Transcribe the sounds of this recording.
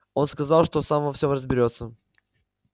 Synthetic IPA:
o̞nskɐzɑlˠʂt̪osamvɐfsʲo̞mrəzbʲɪɾʲo̞t̪sə

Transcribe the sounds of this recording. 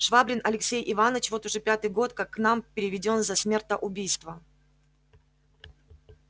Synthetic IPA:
ʂvabɾʲɪnɐlʲɪksʲejʔɪvanət͡ɕvo̞t̪ʊʐɛpʲat̪ɨjɡo̞t̪kakːnampʲɪɾʲɪvʲɪdʲo̞nzɐsʲmʲe̞rt̪əʔʊbʲijst̪və

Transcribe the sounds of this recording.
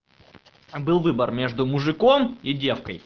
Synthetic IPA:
bɨlˠvɨbərmʲeʐd̪ʊmʊʐɨkomidʲe̞fkə̰j

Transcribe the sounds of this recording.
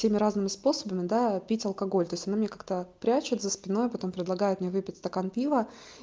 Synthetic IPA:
sʲemʲɪɾaznɨmʲɪspo̞səbəmʲɪd̪apʲitʲɐlˠkɐɡo̞lʲt̪o̞ɪsʲt̪ʲɐnamɪnʲekak̚t̪əpɾʲæt͡ɕɪt̪zəspʲɪno̞jpɐt̪o̞mpɾʲɪd̪lˠɐɡajʊt̪mʲnʲevɨpʲɪtʲst̪ɐkanpʲivə

